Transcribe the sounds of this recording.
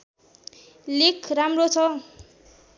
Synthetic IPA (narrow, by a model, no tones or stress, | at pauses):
likʰramrot͡sʰʌ